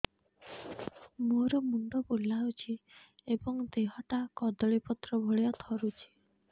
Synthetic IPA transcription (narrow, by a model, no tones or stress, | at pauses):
moɾɔmund̪ɔpulːaut͡ʃʰiebɔŋd̪eɦɔʈakɔd̪ɔɭipɔt̪ɾɔbʱoɭiɔt̪ʰɔɾut͡ʃʰi̥